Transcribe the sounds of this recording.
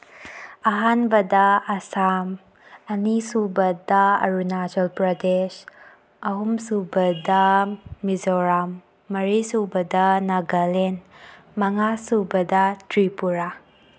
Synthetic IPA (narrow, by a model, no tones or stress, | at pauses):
ɐɦanbɐdɐɐsam | ɐnisubɐdɐɐ̰ɾunad͡ʒɔlpɾɐdes | ɐɦumsubɐdɐmizoɾamː | ɐɾisubɐdɐnaɡɐlen | mɐŋasubɐdɐtɾipuɾa